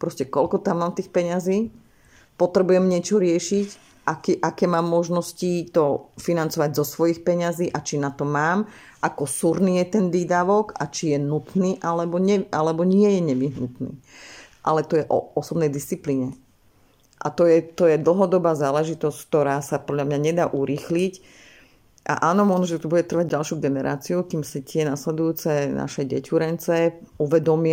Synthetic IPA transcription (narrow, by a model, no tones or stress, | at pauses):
pɾɔscɛkɔlkɔt̪amːaːmt̪iːxpɛɲaziː | pɔt̪ɾɛbujɛmɲɪɛt͡ʃɔɾɪɛʃic | ʔakiʔakɛːmaːmːɔʒnɔscit̪ɔfinant͡sɔʋaɟzɔsʋɔjixpɛɲaziːʔat͡ʃinat̪ɔmaːm | ʔakɔsuɾniːjɛt̪ɛnd̪iːd̪aʋɔka̰t͡ʃijɛnut̪niːʔalɛbɔɲɛʔalɛbɔɲɪɛjɛɲɛʋiɦnut̪nḭːʔa̰lɛt̪ɔjɛʔɔɔsɔbnɛjd̪ist͡sipliːɲɛ | ʔa̰t̪ɔjɛt̪ɔjɛd̪l̩ɦɔd̪ɔbaːzaːlɛʒit̪ɔsck̚t̪ɔɾaːsapɔd̪ʎamɲaɲɛd̪aːʔuɾiːxlic | ʔa̰ʔaːnɔmʊɔʒnɔʒɛt̪ubuɟɛt̪r̩ʋaɟ̚ɟalʃuɡɛnɛɾa̰ːt͡siukiːmsit̪ɪɛnaslɛd̪ujuːt͡sɛna̰ʃɛɟɛ̰cuɾɛnt͡sɛuʋɛd̪ɔmɪ